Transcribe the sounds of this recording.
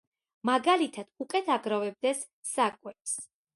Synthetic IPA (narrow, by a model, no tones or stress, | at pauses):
maɡalit̪ʰad̪̥ukʼɛt̪ʰaɡɾavɛb̚d̪ɛsː | akʼwɛps